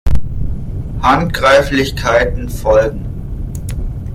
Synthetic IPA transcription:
hantɡ̥ʁaɪflɪçkʰaɪtn̩fɔlɡŋ̩

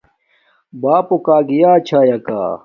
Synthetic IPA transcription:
baːpokaːɡijaːt͡ɕʰaːjaka̰ː

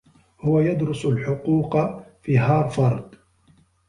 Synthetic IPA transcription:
hʊwajad̪ɾʊsalħʊquːqɑfiːɦɑːɾˤfɑɾˤd̪

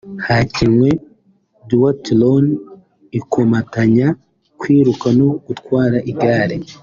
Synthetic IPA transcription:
hacimwe | duwatlon | ikʰomataɲa | kwiːɾukanokutkwaːɾaʔiɡaːɾe

